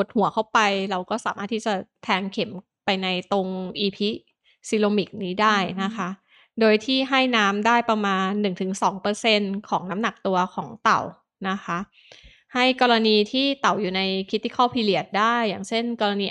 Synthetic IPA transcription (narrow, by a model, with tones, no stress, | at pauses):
ko˨˩t̪̚hu˩˦ɐkʰa˥˩wpa˧jɾa˧wkɔː˥˩saː˩˦maː˥˩t̪ʰːiː˥˩t͡ɕa˨˩t̪ʰɛː˧ŋkʰe˩˦m | pa˧jna˧jt̪o˧ŋʔiː˧pʰi˦˥ | si˧loː˧mi˨˩k̚niː˦˥daː˥˩jna˦˥kʰa˦˥ʔ | doː˧jt̪ʰiː˥˩ɦa˥˩jnaː˦˥mdaː˥˩jpa˧maː˧nːɯ˨˩ŋt̪ʰɯ˩˦ŋsɔː˩˦ŋpɤː˧se˧nkʰɔː˩˦ŋna˦˥mna˨˩k̚t̪u˧ɐkʰɔ̰ː˩˦ŋt̪a̰˨˩w | na˦˥kʰa˦˥ʔ | ha˥˩jkɔː˧ɾa˧niː˧t̪ʰiː˥˩t̪a˨˩wjuː˨˩na˧jkʰɾi˦˥t̪ːi˧˥˩kʰɔː˥˩pʰiː˧li˨˩ət̪̚daː˥˩jːaː˨˩ŋt͡ɕʰe˥˩nkɔː˧ɾa˧niː˧